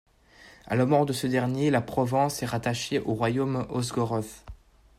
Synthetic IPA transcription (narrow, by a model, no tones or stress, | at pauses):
a̰lamɔʁd̪əsəd̪ɛʁnjelapχɔvɑ̃sɛʁat̪aʃeʔoʁwajomɔzɡɔʁɔf